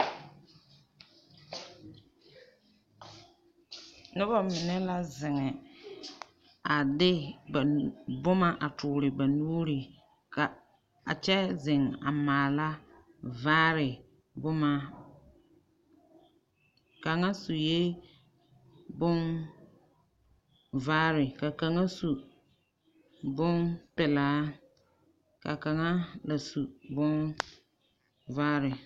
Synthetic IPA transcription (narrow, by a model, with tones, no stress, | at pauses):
nʊ˦ba˨mɪ˨nɛ˦la˦zɪ˨ŋɛ˨ | a˨dɪ˦bbʊ˦ma˦ʔa˨tʰʊː˨ɾɪ˨ba˨nuː˦ɾi˨ | ka˨ | a̰˨t͡ʃɛ˦zɪ˨ŋa̰˨maː˨la˦ | vaː˦ɾɪ˨ | bʊ˦ma˦ | ka˨ŋa˦su˨je˦ | bʊ˦n | vaː˦ɾɪ˨ka˨ka˨ŋa˦su˨ | bʊ˦npɪ˨laː˨˦ | ka̰˨ka˨ŋa˦la˨su˨bʊ˦n | vaː˦ɾɪ˨